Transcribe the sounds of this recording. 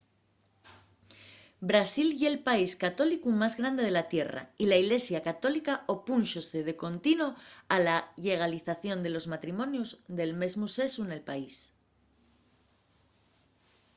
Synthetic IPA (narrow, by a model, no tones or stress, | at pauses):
bɾasilʝelpaiskat̪o̞likumazɣɾand̪e̞ð̞e̞lat̪je̞ra̰ilaiɣle̞sjakat̪o̞likaʔopunʃoseðe̞ko̞nt̪inoalaʎe̞ɣ̞aliθaθjo̞nd̪e̞lo̞zmat̪ɾimõ̞njuzðe̞lme̞zmuse̞sune̞lpais